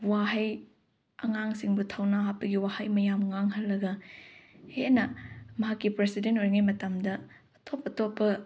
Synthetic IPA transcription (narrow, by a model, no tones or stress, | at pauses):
waɦɐj | ɐŋaŋsiŋbutʰawnaɦat̚pːɐɡiwahɐjmɐjamŋaŋɦɐlːɐɡɐ | henɐmɐɦakːipɾesidentojŋajmɐtɐmdɐ | ɐtʰopɐtopːɐ